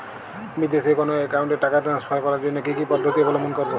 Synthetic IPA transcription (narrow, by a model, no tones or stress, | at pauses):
mid̪ʱesekonoekawɳʈeʈakaʈãnspʰaɾkɔɾaɾd͡ʒonːokikipɔd̪ʱːot̪ibʱɔlomonkɔɾbo